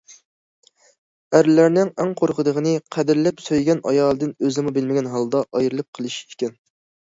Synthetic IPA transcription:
æɾlæɾnɪŋæŋqʰoɾqʰəd̪əʁənɨqʰæd̪ɪɾlɛpsøjɡʲɛnʔɑ̰jɑːlˠɨd̪ɪnøzɪmubɪlmɪɡʲɛnɦɑlˠd̪ɑʔɑjɾɨlˠɨp̚qʰəlˠɨʃekʲɛn

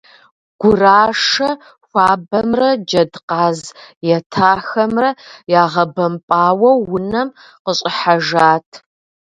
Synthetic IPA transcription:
ɡ̥ʷʊraːʂɐ | xʷaːbɐmrɐd͡ʒɐdqaːzjɛtʰaːxɐmrɐjaːʁɐbɐmpʼaːwɐwːʊnɐm | qəɕʼɪħaʒaːtʰ

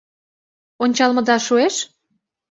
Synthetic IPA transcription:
onʲt͡ɕɑlmɤ̆d̪ɑʃueʃ

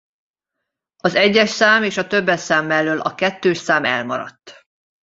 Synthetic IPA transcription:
ɒzɛɟːɛʃsaːmeːʃɒt̪øbːɛsaːmːɛlːøːlɒkɛt̪ːøːʃsaːmɛ̰lmɒɾɒ̰t̪ː

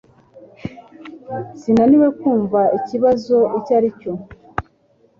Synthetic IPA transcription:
sinaniwe̞kuːɱvaiciβazo̞icaɾico

